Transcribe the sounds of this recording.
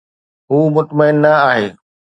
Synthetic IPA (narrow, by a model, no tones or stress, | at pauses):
ɦuːmʊt̪məɪnːɐaːɦeː